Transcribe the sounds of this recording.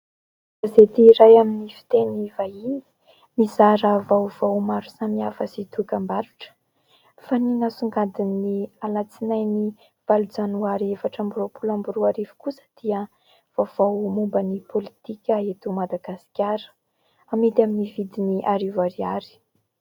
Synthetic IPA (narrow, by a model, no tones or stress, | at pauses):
azet̪iːɾajaminifi̥t̪enivaini̥ | mizaɾəvawv̥awmaɾusamiafəsit̪ukambaɾuʈ͡ʂə̥ | faninasuŋɡad̪inːialat͡sinajni | v̥alud͡zanuaɾevaʈ͡ʂamburopulambuɾuaɾivu̥kusə̥d̪̥iə | v̥av̥awmumbənipʰolit̪ikʲəet̪umad̪aɡasi̥kʲaɾə̥ | amit̪aminivid̪iniʔaɾivaɾiaɾi̥